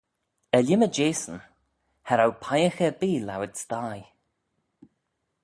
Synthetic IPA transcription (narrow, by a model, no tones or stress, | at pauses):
ɛlʲɪməd͡ʒeːsən | haɾawpʰajəxəbiːla̰wɪdst̪aːj